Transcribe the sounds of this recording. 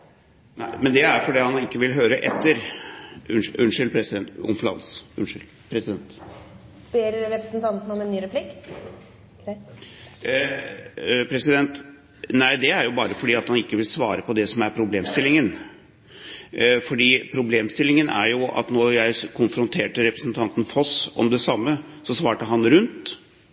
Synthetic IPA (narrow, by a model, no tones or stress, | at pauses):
næɪmɛnd̪ɛæɾfɔɖiːhɑnɪkːəʋɪlɦøːɾəʔɛt̪ʰːəɾ | ʉʉnʂɪlpʰɾɛsɪɛnt̪ʊ̰nflɑ̰ːd̪sʉ̰nʂɪl | pʰɾɛsɪd̪ɛnt̪ | b̥eːɾɾɛpɾəsnt̪ʰɑnt̪nɔmɛnːyːɾɛpʰlɪkː | pʰɾɛsɪd̪ɛnt̪ | næɪd̪ɛæɾjʊbɑːɾəfɔɖiːɑt̪hɑnɪkːəʋɪlsʋɑːɾəpʰɔd̪ɛsɔmæɾpʰɾʊbleːmst̪ɪlːɪŋən | fɔɖiːpʰɾʊbleːmst̪ɪlːɪŋənæ̰ɾjʊʔɑ̰t̪nɔjæɪkʰʊnfɾʊnt̪ʰeːʈəɾɛpɾəsənt̪ʰɑnt̪ən̩fɔsɔ̰md̪ɛsɑmːə | sɔsʋɑːʈəɦɑnɾʉnt̪